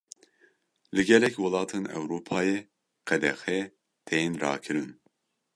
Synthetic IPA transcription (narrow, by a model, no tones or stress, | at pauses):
lɨɡɛlɛkwɨlɑːt̪ʰenɛ̰wɾuːpʰɑːje | qɛd̪ɛxɛ | t̪ʰejnɾɑ̰ːkʰɨɾɨn